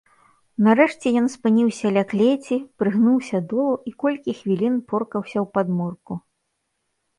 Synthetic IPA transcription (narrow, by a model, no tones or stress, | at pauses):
nɐɾɛʂt͡sʲɛjɔnspɨnʲiwsʲɐlʲaklʲet͡sʲipɾɨɣnuwsʲɐd̪ɔlˠuʔikɔlʲkʲixvʲilʲinpɔrkɐwsʲɐwpad̪mɔrku